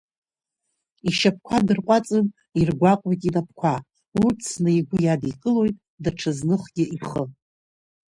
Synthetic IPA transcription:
iʃap̚ʰkʷʰadɨrqʷʼat͡sʼɨn | irɡʷakʷʼojtʼinap̚ʰkʷʰa | ut͡sʰnɨiɡʷʊjadikʼɨlo̞jtʼ | daʈ͡ʂʰaznɨχɡʲɪʔiχə

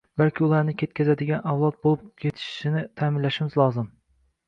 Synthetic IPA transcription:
bælkʲʰɪulˠɑɾnɪkʲʰet̪̚kʲʰɛzɛd̪ɪɡʲɛnɑwlˠɑt̪̚bolˠɨpkʲʰet̪ʰɪ̥ʃʃɪnɪt̪ʰæmɪlːæʃɪmɪzlˠɑːzɨm

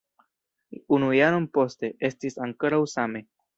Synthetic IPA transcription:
unujaɾo̞npo̞ste̞ʔe̞stisaŋko̞ɾawsame̞

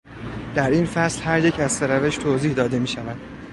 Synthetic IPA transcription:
d̪̥æɾinfæslhæɾje̞cʰæzseɾæve̞ʃt̪ʰoːziːhd̪ɒːd̪e̞miːʃævæd̪̥

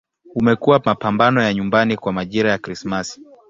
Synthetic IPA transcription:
umɛkuwamapambanɔjaɲumbanikwamaʄiɾajakɾismasi̥

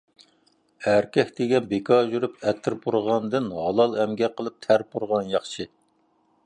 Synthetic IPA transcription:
æɾkʲɛkʲd̪eɡʲɛnbekʰɑʒyɾypɛt̪ʰːɪɾbuɾʁɑnd̪ɨnhɑlˠɑlˠɛmɡʲɛqəlˠɨp̚t̪ʰæɾbuɾʁɑnjɑχt͡ʃʰɨ

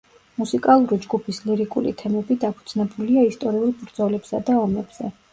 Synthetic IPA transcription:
musikʼalˠuɾid͡ʒɡupʰisliɾikʼṵlḭt̪ʰɛmɛbid̪apʰu̥t̪sʰnɛbuliaist̪ʼɔɾiulˠbɾd̪zɔlɛbsad̪aɔmɛb̥z̥ɛ̰

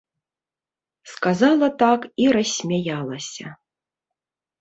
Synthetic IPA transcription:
skazalˠɐt̪akiɾɐsʲmʲajalˠɐsʲɐ̰

